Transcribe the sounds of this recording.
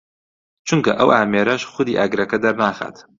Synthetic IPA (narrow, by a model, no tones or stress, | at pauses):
t͡ʃʰuŋkɐ̰ʔɐwʔaːmeːɾɐʃxʊd̪iːʔaːɡɾɐkɐd̪ɐɾnaːxa̰ːt̪